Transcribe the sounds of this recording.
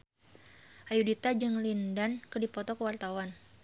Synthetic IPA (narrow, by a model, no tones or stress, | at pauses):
ʔajudit̪ad͡ʒɨŋlindankərdipɔt̪ɔkəwart̪awan